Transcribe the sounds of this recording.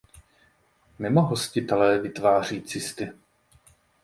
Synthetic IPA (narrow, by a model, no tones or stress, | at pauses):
mɪmoɦoscɪt̪ɛlɛːvɪt̪vaːr̝iːt͡sɪst̪ɪ